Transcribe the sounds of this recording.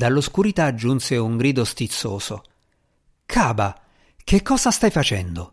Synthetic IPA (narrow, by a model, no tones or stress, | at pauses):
d̪alːoskuɾit̪aːd͡ʒːunseuŋɡɾiːd̪ost̪it̪sːoːso | kʰaːba | kekːɔːzast̪ajfat͡ʃɛnd̪o